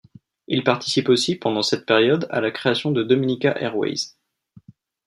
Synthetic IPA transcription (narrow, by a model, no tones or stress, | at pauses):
ilpaʁt̪ʰi̥siposipɑ̃d̪ɑ̃sɛt̪̚peʁjɔd̪a̰lakχeasjɔ̃d̪əd̪ɔminikaʔɛ̰ʁwɛ̰jz